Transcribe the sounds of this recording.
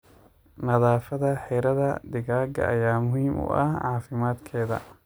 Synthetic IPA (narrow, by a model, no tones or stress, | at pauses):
nɐðaːfɐðɐħɛɾɐðɐ̰d̪ɪɣaːɡɐ̰ʔɐjaːmʊhiːmʔʊ̰ʔɐhʕɑːfɪmaːd̪kʰɛːðɐ̰